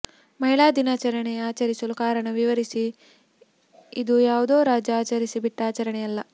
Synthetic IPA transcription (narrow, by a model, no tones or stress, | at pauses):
mɐɦiɭaːd̪inaːt͡ʃɐɾɐɳeaːt͡ʃɐɾisɐlukaːɾɐɳɐʋiʋɐɾisi | id̪ujaːʋud̪o̞ːɾaːd͡ʒɐaːt͡ʃɐɾisibiʈːaːt͡ʃɐɾɐɳɛjɐlːɐ